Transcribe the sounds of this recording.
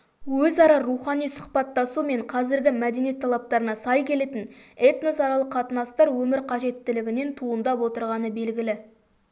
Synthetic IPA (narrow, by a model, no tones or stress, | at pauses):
wɵzɑɾɑɾuχɑnijsʊ̥χpɑt̪ːɑsume̞ɴqʰɑzɪɾɡʲɪmæd̪e̞nijet̪ʰːɑlˠɑp̚t̪ɑɾənɑsɑjkʲʰe̞le̞t̪ɪnet̪nosɑɾɑlˠəqʰːɑt̪ənɑst̪ɑɾwɵmɪɾqʰɑʒe̞t̪ːɪlɪɡʲɪne̞nt̪ʰuənd̪ɑpwo̞t̪əɾʁɑnəbe̞lɡʲɪlɪ